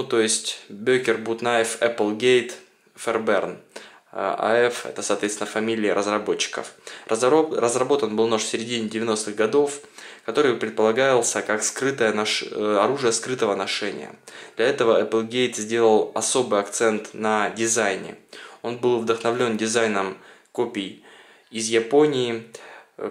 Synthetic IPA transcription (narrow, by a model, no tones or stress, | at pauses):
nut̪o̞jɪsʲtʲbʲɵkʲɪrbut̪naɪfɛplˠɡʲejt̪ | fʲɛrbɛrn | ɐ̰ɛfɛ̰t̪əsɐːt̪vʲet̪st̪ʲɪnəfɐmʲilʲɪːɾəzrɐbo̞t͡ɕːɪ̥kə̰f | rəzrɐbo̞t̪ənbɨlˠnoʂsʲɪɾʲɪdʲinʲɪdʲɪvʲɪno̞st̪ɨɣɡɐd̪o̞fkɐt̪o̞ɾɨjpɾʲɪt̪̚pəlˠɐɡajɪlˠsʲəkakskɾɨt̪əjənʂɐɾuʐɨjəskɾɨt̪əvənɐʂɛnʲɪ̰jə̰d̪̥lʲɐɛt̪əvəɛpɨlˠɡʲejt̪zʲdʲe̞lˠəlˠɐso̞bɨjɐkt̪sɛnt̪nədʲɪzajnʲɪ̰o̞nbɨlˠvd̪əxnɐvlʲo̞ndʲɪzajnəmkopʲɪj | ɪzjɪpo̞nʲɪː